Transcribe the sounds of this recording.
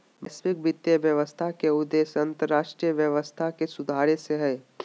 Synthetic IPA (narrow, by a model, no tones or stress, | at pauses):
mɐsʋɪk̚bɪt̪jəʋjəʋəst̪ʰakeʊd̪ːeːsɐ̃nt̪əɾːaːʃʈɾijəʋjəʋəst̪ʰakesʊd̪ʱaːɾeseɦɛː